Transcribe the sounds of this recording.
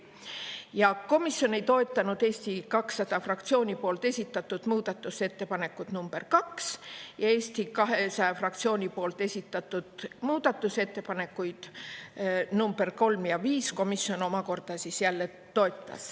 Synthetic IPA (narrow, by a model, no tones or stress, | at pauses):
jɑko̞misjo̞ne̞jt̪o̞et̪ˑːɑnud̪̥e̞ːst̪ikɑksːɑd̪̥ɑfrɑkt̪sio̞ːnʲipo̞ːlt̪ˑe̞sʲit̪ːˑɑt̪ːˑud̪̥muːd̪̥ɑt̪ːˑuse̞t̪ːe̞pɑne̞kːˑut̪numb̥e̞rkɑksjɑe̞ːsʲt̪ikɑɦe̞sɑjɑfrɑkt̪sio̞ːnʲipo̞ːlt̪ˑe̞sʲit̪ːˑɑt̪ˑːud̪̥muːd̪̥ɑt̪ːˑuse̞t̪ːe̞pɑne̞kːujd̪̥ | numb̥e̞rko̞lmjɑviːsko̞miso̞no̞mɑko̞rd̪̥ɑsisjælːe̞ | t̪o̞e̞t̪ːˑɑ̰s